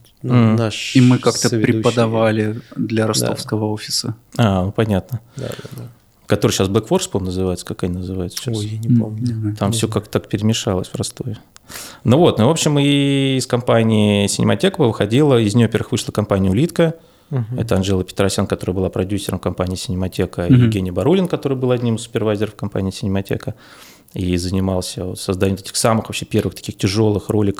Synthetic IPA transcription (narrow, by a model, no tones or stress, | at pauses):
m̩naʂimɨkakt̪əpɾʲɪpəd̪ɐvalʲɪd̪lʲɐɾɐsd̪o̰fskəvəofʲɪ̥səanopɐnʲat̪nəd̪a̰d̪ | kɐt̪o̞ɾɨjɕasblˠəkfo̞rspomnəzɨvajʊt̪sə̥kakanʲɪnəzɨvajʊt̪st͡ɕjanʲɪomʲnʲt̪amfsʲokak̚t̪t̪akpʲɪɾʲɪmʲɪʂalˠəsʲpɾɐst̪ojə | novo̞t̪novo̞pɕɪmɨːskɐmpanʲɪɪsʲɪ̰nʲɪ̰mɐtʲe̞kəvəvɨxɐdʲilˠəɪzʲnɪjovɐpʲervəɨxvɨʂlˠəkɐmpanʲɪjəʊlʲit̪kə | ɛ̰t̪əɐnʐɛlˠəpʲɪ̥t̪ɾɐsʲankɐt̪o̞ɾəjəbɨlˠapɾɐdʲusʲɪɾəmkɐmpanʲɪːsʲɪnʲɪmɐtʲe̞kəijɪvɡʲenʲɪjbɐɾulʲɪnkɐt̪o̞ɾɨjbɨlˠɐdʲnʲimɨsːʊ̥pʲɪrvajzʲɪɾəfkɐmpa̰nʲɪiːsʲɪnʲɪmɐtʲḛkə | izənʲɪmalˠsʲəot̪sɐzd̪anʲɪʊt̪tʲɪ̥xsamɨxvɐpɕːepʲe̞rvɨxt̪ɐ̥kʲixtʲɪʐo̞lˠɨxro̞lʲɪk